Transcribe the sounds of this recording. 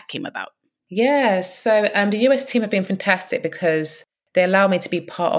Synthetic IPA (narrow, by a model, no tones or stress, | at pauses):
kʰɪ̃mə̰ba̰ʊtʔ | jɛsoʊʔʌ̃mðəjʉːɛstʰĩːməvbĩnfãntʰastɪk̚b̥ɪkʰɒz | ðeɪəlaʊmitʰəbipʰɑˑtə̰